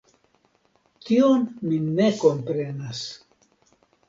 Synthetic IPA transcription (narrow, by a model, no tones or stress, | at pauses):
tionmine̞ko̞mpɾe̞nas